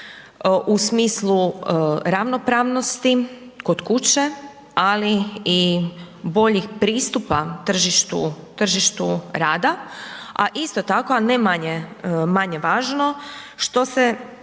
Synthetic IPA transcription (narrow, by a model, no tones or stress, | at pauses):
ʔusmiːsluɾaʋno̞pɾaːʋno̞st̪i | ko̞d̪kut͡ɕe̞ | alii | bo̞ʎixpɾiːst̪upat̪r̩ʒiʃt̪ṵt̪r̩ʒiʃt̪uɾaːd̪aaʔist̪ot̪akoanemaɲemaɲeʋaːʒno̞ʃt̪o̞se